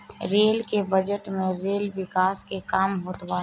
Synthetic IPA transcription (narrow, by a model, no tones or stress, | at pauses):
ɾeːlkebəd͡ʒəʈmẽɾeːlʋɪkaːskekaːmɦoːt̪ʋaː